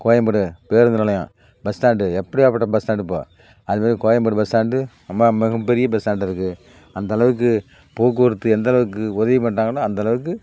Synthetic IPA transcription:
koːjɐmbɐɽɯpeːɾɯnd̪ɐnɪlɐjã̰ː | bɛstaːɳɖɯɛpːɐɽiaːpɐʈːɐbɐstaːɳɖɯpːo̰ː | ɐðɯmaːðɾikoːjɐmbɐɽɯbɐstaːɳɖɯ | ɐmːamɐɣɐmpɛɾɪjɐbɛsaːɳɖɪɾɯkːɯ | ɐnd̪ɐɭɐʋɯkːɯ | poːk̬ːɯɐɾɯt̪ːɯɛnd̪ɐɭɐʋɯkːɯʊðɐʋipɐɳʈːaːŋɡɐlːaɐnd̪ɐlɐʋɯkːɯ

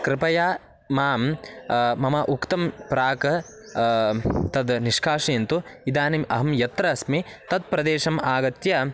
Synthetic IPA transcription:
kɾɪpɐjaː | maːm | mɐmɐʔukt̪ɐmpɾaːkɐ | t̪ɐd̪niʂkʰaːʂɐjɐnt̪uid̪aːnimʔɐ̰ɦɐmjɐt̪ɾɐːsmit̪ɐd̪̚pɾɐd̪eːʃɐmaːɡɐt̪jɐ

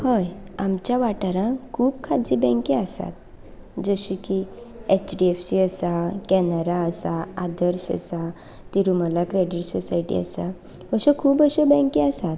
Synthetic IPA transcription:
həjamt͡ɕjaʋaʈaɾãkʰuːbkʰad͡zibɛ̃ŋkiasa̰t̪̚ | d͡zəɕikiet͡ɕɖiefsiəsakɛnəɾaəsaad̪əɾɕə̰sa | t̪iɾuməlakɾeɖiʈsɔsaiʈḭə̰sa | əɕəkʰuːpəɕəbɛ̃kiəsat̪

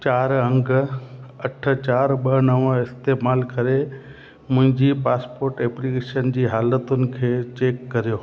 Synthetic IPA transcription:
t͡ɕaːɾɐ̃ŋɡ | ɐʈʰə̆t͡ɕaːɾɓɐnɐʋɪst̪eːmaːlkɐɾe | mʊ̃ɦɪ̃ɲd͡ʑiːpaːspoːɾʈeːplikeːʃənd͡ʑiːɦaːlət̪ʊnɪ̆kʰeːt͡ɕeːkːɐɾijoː

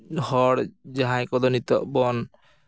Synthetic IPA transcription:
hɔɽd͡ʒaɦajkɔd̪ɔnit̪ɔʔbɔn

